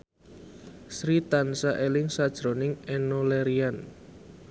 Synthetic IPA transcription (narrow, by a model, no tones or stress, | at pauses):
sɾit̪ansaʔelɪŋsad̥ʒ̥ɾonɪŋenoleɾian